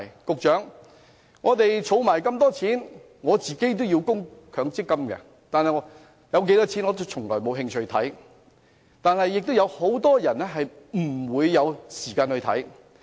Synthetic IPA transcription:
kʊ˨k̚t͡ʃœː˨˥ŋ | ŋɔː˨˧t̪e˨jt͡ʃʰo˨˧wmaː˨˩jkɐ˧mt̪ɔː˥t͡sʰiː˨˥n | ŋɔː˨˧t͡siː˨ke˥jt̪̬o˥wjiː˧wkʊ˥ŋkʰœː˨˧ŋt͡sɪ˥kːɐ˥mkɛ̰˧ | t̪aː˨nhɐ˨jɔ˨˧ | jɐ˨˧wk̬e˨˥jt̪ɔː˥t͡sʰiː˨˥nŋɔ˨˧t͡sʊ˥t͡sʰʊ˨˩ŋlɔː˨˩jmo˨˧wɦɪ˧ŋt͡ʃʰɵ˧ɥt̪ʰɐ˨˥j | t̪aː˨nɦɐ˨jːɪ˨k̚t̪wjɐ˨˧who˨˥wt̪ɔː˥jɐ˨˩nɛ˥ɦɐ˨j | m̩˨˩wuː˨˧jːɐ˨˧wsiː˨˩kaː˧nhɵ˧t̪ʰɐ̰˨˥j

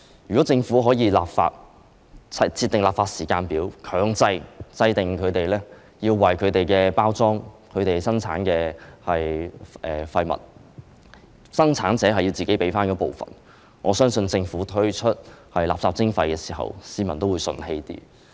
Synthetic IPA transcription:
jy˨kɔ˨˥t͡sɪ˧ŋfuː˨˥ɦɔː˨˥jiː˧laː˨p̚fa̰ː˧t̚ | t͡sʰɐ˧t͡sʰiː˧t̪ɪ˨ŋlaː˨˩pfaː˧t̚siː˨˩kaː˧npiː˨˥wkʰœː˨˥ŋt͡sɐ˧jt͡sɐ˧jt̪ɪ˨ŋkʰɵ˨˧ɥt̪e˨jlɛː˥ | jiː˧wwɐ˨˩jkʰɵ˨˧ɥt̪e˨jkɛː˧paː˥wt͡sɔː˥ŋkʰɵ˨˧ɥt̪e˨˩jsɐ˥ŋt͡sʰaː˨˥nkɛː˧hɐ˨jʔɛː˨fɐ˧jmɐ̰˨˩t̚ | sɐ˥ŋt͡sʰaː˨˥nt͡sɛː˨˥ɦɐ˨ji˧wt͡siː˨ke˨˥jpe˨˥jfaː˥nkɔː˨˧˥po˨wfɐ̰˨˩n | ŋɔː˨˧˥sœː˥ŋsɵ˧nt͡sɪ˧ŋfuː˨˥t̪ʰɵ˥ɥt͡ʃʰɵ˥t̚hɐ˨jla̰ː˨psaː˧p̚t͡sɪ˥ŋfɐ˧jkɛː˧si̥ː˨˩ɦɐ̰˨˩wsiː˨˧mɐ˨˩nt̪o˥wuː˨˧jsɵ̰˧nhe˧jt̪ḭː˥

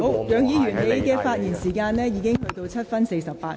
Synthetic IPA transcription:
ho˨˥wjœː˨˧ŋjiː˨˧jyː˨˩nne˨˧˥jkɛː˧faː˧t̚jiː˨˩nsiː˨˩kaː˧nlɛː˥jiː˨˧kɪ˥ŋhɵ˧ɥt̪o˧wt͡sʰɐ˥t̚fɐ˥nse˧jsɐ˨ppaː˧t̚

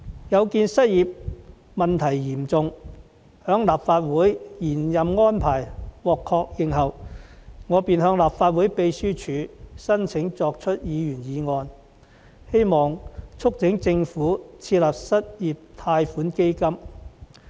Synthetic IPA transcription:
jɐ˨˧wkiː˧nsɐ˥t̚jiː˨p̚ | mɐ˨nt̪ʰɐ˨˩jjiː˨˩mt͡sʊ˨ŋ | hœː˨˥ŋlaː˨pfaː˧t̚wuː˨˥jjiː˨˩njɐ˨mŋɔː˥npʰaː˨˩jwɔː˨kʰːɔː˧k̚jɪ˨ŋɦɐ˨w | ŋɔː˨˧piː˨nhœː˧ŋlaː˨pfaː˧t̚wuː˨˥jpe˧jsyː˥t͡ʃʰyː˨˧sɐ˥nt͡sʰɪ˨˥ŋt͡sɔː˧k̚t͡ʃʰɵ˥t̚jiː˨˧jyː˨˩njiː˨˧ŋɔː˧n | he˥jmɔː˨ŋt͡sʰʊ˥k̚t͡sʰɪ˨˥ŋt͡sɪ˧ŋfuː˨˥t͡sʰiː˧t̚laː˨p̚sɐ˥t̚jiː˨p̚t̪ʰaː˧jfuː˨˥nke˥jkɐ˥m

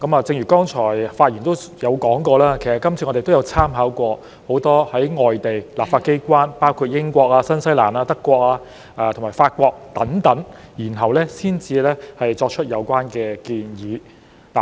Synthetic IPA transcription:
kɐ˨˥maː˨˧t͡sɪ˧ŋjɥyː˨˩kɔː˥ŋt͡ʃʰɔː˨˩jfaː˧t̚jiː˨˩nt̪o˥wjɐ˨˧wkɔː˨˥ŋkɔː˧laː˥kʰsɐ˨˩kːɐ˥mt͡sʰi˧ŋɔ˧te˨t̪wjɐ˨˧wt͡sʰaː˥mɦaː˨˥wkʷɔː˧ | ho˨˥wt̪ɔː˥hɐ˨˥jŋɔː˨jt̪e˨˩jlaː˨p̚faː˧t̚ke˥jkʷaː˥npaː˥wkʰuː˧t̚jɪ˥ŋkʷɔː˧k̚aː˧sɐ˥nsɐ˥jla̰ː˨˩naː˧t̪ɐ˥kːʷɔː˧k̚aː˧ | ʔaː˧t̪ʰmaː˨˩jfaː˧t̚kʷɔː˧k̚t̪ɐ˨˥ŋt̪ɐ˨˥ŋjiː˨˩nɦɐ˨wlɛ˥siː˥nt͡siː˧lɛː˥hɐ˨jt͡sɔː˧k̚t͡ʃʰɵ˥t̚jɐ˨˧wkʷaː˥nkɛː˧kiː˧njiː˨˧ | t̪a˨

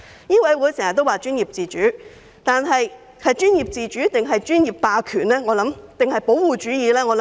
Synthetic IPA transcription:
jiː˥wɐ˨˥jwuː˨˥jsɛ˨˩ŋɐ˨t̪ːwaː˨t͡ʃyː˥njiː˨˩p̚t͡siː˨t͡ʃyː˨˥ | t̪aː˨nɦɐ˨j | hɐ˨jt͡ʃyː˥njiː˨p̚t͡siː˨˧t͡ʃyː˨˥t̪ɪ˨ŋɦɐ˨jt͡ʃyː˥njiː˨p̚paː˨˧kʰyː˨˩nɛː˥ŋɔː˨˧lɐ˨˥mt̪ɪ˨ŋɦɐ˨jpo˨˥wwuː˨t͡ʃyː˨˥jiː˨˧lɛː˥ŋɔː˨˧l

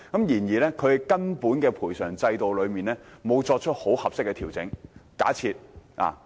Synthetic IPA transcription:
kɐ˨˥mjiː˨˩njiː˨˩lɛː˥kʰɵ˨˧ɥkɐ˥npuː˨˥nkɛː˧pʰuː˨˩jsœː˨˩ŋt͡sɐ˧jt̪o˨wlɵ˨˧ɥmiː˨˩nlɛː˥mo˨˧wt͡sɔː˧k̚t͡ʃʰɵ˥t̚ho˨˥whɐ˨p̚sɪ˥kːɛ˧t̪ʰiː˨˩wt͡sɪ̰˨˥ŋka̰ː˨˥t͡sʰiː˧t̚a̰ː˨

